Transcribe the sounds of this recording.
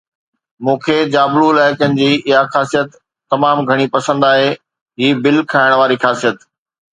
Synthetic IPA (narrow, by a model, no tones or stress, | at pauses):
mũːkʰeːd͡ʑaːbluɪlaːɪkənɪ̆d͡ʑiːɪɦaxaːsijət̪ː | ɐmaːmɡʱɐɽ̃ipɐsə̃nd̪aːɦeː | ɦiːbɪlkʰaːɪɽ̃ʋaːɾixaːsijət̪